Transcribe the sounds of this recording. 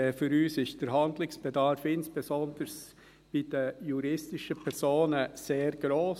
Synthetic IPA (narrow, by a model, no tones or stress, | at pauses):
fyɾyːsɪʃd̥əɾɦɑndlɪŋsb̥ɛdɑɾfɪnsb̥ezɔnd̥əɾs | b̥id̥əjuɾɪstɪʃəpʰɛɾsoːnəseːɾɡ̥ɾoːs